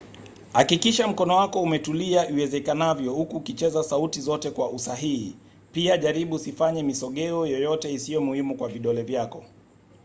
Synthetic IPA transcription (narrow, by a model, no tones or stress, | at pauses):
hakikiʃam̩kɔnɔwakɔumɛtuliaʔiwɛzɛkanavjɔhukuːkit͡ʃɛzasautizɔtɛkwaʔusaɦihḭ | piaʄaɾiɓusifaɲɛmisɔɠɛɔjɔjɔtɛisijɔmuhimukwaviɗɔlɛvjakɔ